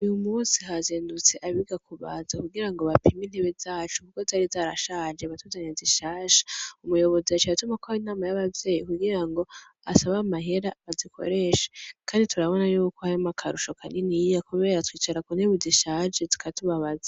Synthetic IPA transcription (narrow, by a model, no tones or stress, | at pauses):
ujumusiɦazeːndut͡se̞ʔaβiɡakuβaːzakuɡiɾaŋɡo̞βapʰimin̥heβezaːt͡ʃukukozaːɾizaːɾaʃaːd͡ʒeβatuzaɲeziʃaːʃḁumujo̞βo̞ziat͡ʃiatumakoainaːmajaβavje̞ːjikuɡiɾaŋɡo̞ | asaβamaɦeɾaβazikʰo̰ɾe̞ːʃḁkʰaːnditʰuɾaβo̞najuːkoajamakʰaɾuʃokʰaninijakuβe̞ːɾatwiːt͡ʃaɾakun̥eβuziʃaːd͡ʒezi̥kʰatuβaβaza